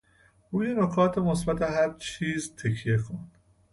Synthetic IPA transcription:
ʔuːjenokʰɒːt̪ʰemosbæt̪ʰeɦæɾt͡ʃʰiːzt̪ʰekʰijexʰond̪̥

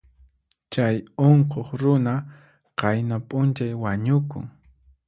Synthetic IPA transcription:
t͡ʃajoɴqoχɾʊna | qɑjnapʼʊnt͡ʃajwaɲʊkʊ̰ŋ

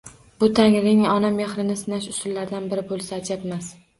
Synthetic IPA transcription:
bʊt̪ʰaŋɾɪŋɒnameχɾɪnɪsɪnaʃʊsʊlːaɾd̪anbɪɾɪbolˠsaːt͡ʃat̪mas

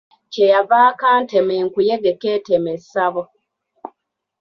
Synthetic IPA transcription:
cejavaːkaːntemeŋkujeɡekeːtemesaβo

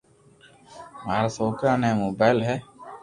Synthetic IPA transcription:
maːɾasoːkãːnɛ̃ːmoːbaːɪlɦɛː

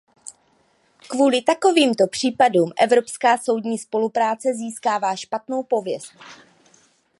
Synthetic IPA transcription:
kvuːlɪt̪ako̞viːmt̪o̞pr̝̥iːpaduːmʔɛvɾo̞pskaːso̞wdɲiːspo̞lupɾaːt͡sɛziːskaːvaːʃpat̪no̞wpo̞vjɛst̪

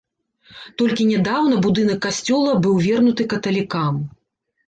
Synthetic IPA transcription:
t̪ɔlʲkʲinʲɛd̪awnɐbud̪ɨnɐkːasʲt͡sʲɔlˠɐbɨwvʲɛrnut̪ɨkɐt̪ɐlʲikam

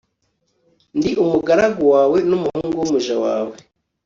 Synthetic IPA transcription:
ndiʔumuɡaɾaɡowaːwe̞numuhuːŋɡuwumuʒawa̰ːwe

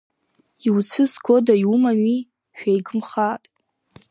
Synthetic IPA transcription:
iwt͡ɕʷʰɨsɡodajumanɥi | ʃᶣajɡɨmχatʼ

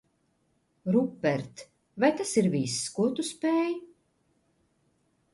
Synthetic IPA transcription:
ɾupːɛɾt̪ | vajt̪asiɾviskuɔt̪uspɛːj

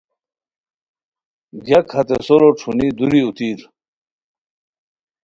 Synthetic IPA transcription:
ɡjɐkʰhɐt̪esoɾoʈ͡ʂʰunid̪uɾiut̪iːɾ

